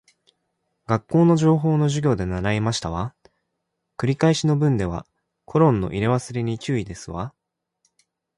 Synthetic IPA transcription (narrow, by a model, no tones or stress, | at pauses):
ɡ̥akːo̞ːno̞ʑo̞ːɦo̞ːno̞ʑɨɡʲo̞ːd̪e̞naɾaimaɕi̥t̪aβa | kɯ̟ɾʲikaiɕino̞bɯ̟̃nd̪e̞β̞a̰ | kʰo̞ɾõ̞nːo̞̰ʔiɾe̞βasɨɾʲiɲ̟it͡ɕɨːid̪e̞sɨβa